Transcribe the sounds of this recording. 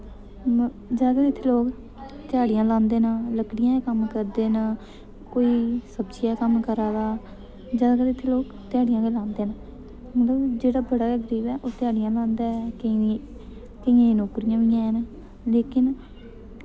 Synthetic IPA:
d͡ʒaːkəlɪt̪ʰːeːloːk | t̪ɪaːɽɪjãːlãːnd̪eːnãːləkɽɪjãːekəmkəɾd̪eːnaː | koːiːsəbt͡ʃiakəmkəɾaːd̪aː | d͡ʒaːakəlɪt̪ʰːeːloːk | t̪ɪjaːɽijãːkelãːnd̪eːnaː | mət̪ləbd͡ʒeːɽaːbəɽaːɡəɾiːbɛːʔoːt̪ɪjaːɽijãːlãːnd̪aːɛ | kəiãːnoːkɾijãːʋɪjãːn | leːkɪn

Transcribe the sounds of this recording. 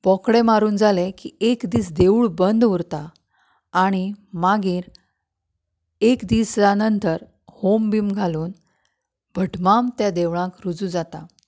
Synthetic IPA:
bɔkɽemaɾuːnd͡zalekiekd̪iːsd̪euɭbənd̪uɾt̪aː | ɽ̃imaɡiːɾ | ekd̪iːsjanənt̪əɾ | hombiːmɡʱaluːn | bʱəʈmamt̪jad̪eʋɭãkɾud͡zud͡zat̪a

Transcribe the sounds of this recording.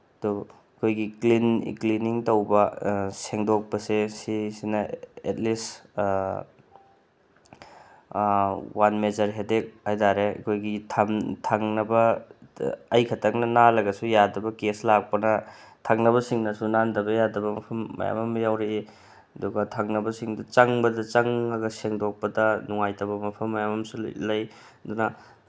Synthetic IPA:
ɐdu | kʰojɡiklinkliniŋtɐwbɐseŋdok̚pɐsesisinɐet̚lis | wanmed͡ʒɐɾɦedek̚hajtaɾeɐ̰kʰojɡitʰamtʰaŋnɐbɐː | jkʰɐtʰɐk̚nɐnalɐɡɐsujadɐbɐkeslak̚pɐnɐ | tʰaŋnɐβɐsiŋnɐsunandɐbɐjadɐbɐmɐpʰɐmːɐ̰ja̰mɐmɐjawɾee | ɐduɡɐtʰaŋnɐbɐsiŋdɐt͡ʃɐŋbɐdɐt͡ʃɐŋɐɡɐseŋdok̚pɐdɐnuŋajtɐwβɐmɐpʰɐmːɐjamɐmsṵlɐj | ɐdunɐ

